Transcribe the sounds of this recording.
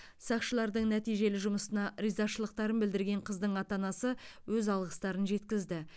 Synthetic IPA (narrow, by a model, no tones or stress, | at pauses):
sɑqʃəlˠɑɾd̪əɴnæt̪ijʒe̞lɪʒʊməsənɑɾizɑʃəlˠəq̚t̪ɑɾənbɪld̪ɪɾɡʲe̞ɴqʰəzd̪əɴɑt̪ɑnɑsəwɵzɑlˠʁəst̪ɑɾənʒe̞t̪kʲɪzd̪ɪ